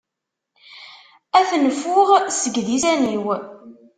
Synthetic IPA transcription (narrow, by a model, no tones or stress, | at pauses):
æθnəfʊʁsəɡðisæniw